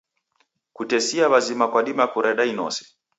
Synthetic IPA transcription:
kutɛsiaβazimakwaɗimakuɾɛɗainɔ̰sɛ̥

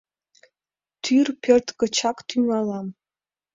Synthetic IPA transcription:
t̪ʰyrpʲʰørt̪kə̆t͡ɕɑkt̪ʰyŋɑlɑm

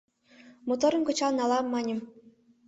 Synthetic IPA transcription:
mŭt̪ɤ̆ɾɤ̆nʲkɤ̆t͡ɕɑnɑlˠɑmːɑnʲɤ̆m

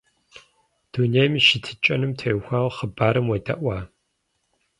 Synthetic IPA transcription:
d̥unejmiʃɪtʰɨt͡ʃʼɐnɨmtʰejxʷaːʁχəbaːɾɨmwɐtʼɐ̰ʔʷɑː

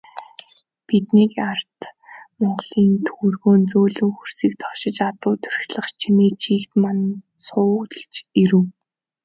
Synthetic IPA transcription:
pit̪nikar̥t̪mɔɴɢɮiːnt̪ʰurɣoːnt͡soːɮɘ̆ŋxur̥siːkt̪ʰɔ̥ʃɪ̆t͡ɕat̪ʊːt̪ʰɵ̥rxʲɮə̆χt͡ɕʰiniːt͡ɕʰiːkt̪man | sʊ̆ːɬt͡ɕiɾɘ̆w

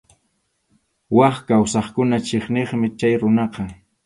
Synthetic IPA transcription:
wɑχkawsɑχkʊnat͡ʃeχneχmɪt͡ʃajɾʊnɑqɑ

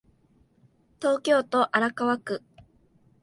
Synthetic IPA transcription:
t̪o̞ːkʲo̞ːt̪o̞ʔaɾakaβakɯ̟

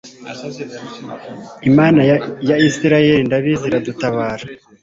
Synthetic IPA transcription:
imaːnajaisiɾajeɾindaβiziɾadutaβaːɾa

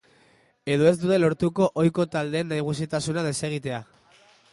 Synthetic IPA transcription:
e̞ðo̞e̞zd̪ut̪e̞lo̞ɾt̪uko̞ʔojko̞t̪ald̪e̞ːnːajɣ̞us̬it̪asunað̞e̞se̞ɣ̞it̪e̞a

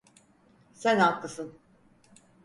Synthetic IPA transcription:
sænaklːˠɯsɯn

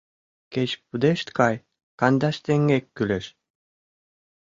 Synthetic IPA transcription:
ket͡ɕpud̪eʃt̪kɑj | kɑnd̪ɑʃt̪eŋɡekːyleʃ

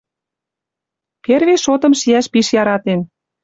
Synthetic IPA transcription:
perβeʃot̪ɤ̆mʃiæʃpiʃjɑɾɑt̪en

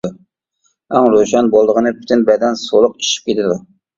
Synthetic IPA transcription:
æŋɾoʃɑnbolˠd̪əʁənɨpʰy̥t̪ʰɪnbɛd̪ɛnsolˠʊqi̥ʃi̥p̚kʲʰet̪ʰɪd̪u

